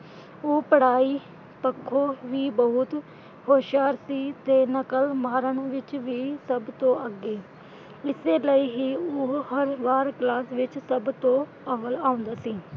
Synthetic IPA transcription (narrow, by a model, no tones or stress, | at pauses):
oːpəɽaːiː | pəkʰːoːʋiːbəɦʊt̪ | hoːʃaːɾsiːt̪eːnəkəlmaːɾəɳʋɪt͡ʃʋiiːsəbt̪õːʔəɡːeː | ɪseːləiːɦiːoːhəɾʋaːɾklaːsʋɪt͡ʃsəbt̪õː | əʋəlaːʊ̃nd̪aːsiː